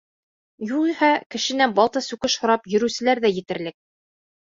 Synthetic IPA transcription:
juqihækɘ̆ʃɘ̆nænbɑlˠt̪ɤsʉkɘʃhŏɾɑpjɵ̆ɾʉ̆sɘ̆læɾðæjɘ̆t̪ɘ̆ɾlɘk̚

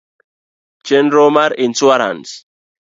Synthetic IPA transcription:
t͡ʃɛnɾomaɾinswaɾa̰ns

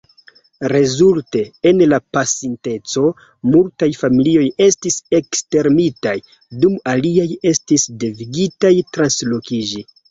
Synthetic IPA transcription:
ɾe̞zulte̞ːnlapasinte̞t͡so̞ | multajfamilio̞je̞stise̞kste̞ɾmitaj | dumaliaje̞stisdeviɡitajtɾanslo̞kid͡ʒi

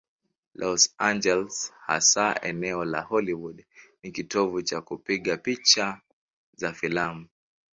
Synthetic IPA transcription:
lʔɔsand͡ʒɛlsha̰saʔɛnɛɔla̰hɔliwudnikitɔvut͡ʃakupiɠapit͡ʃa | zafilamu

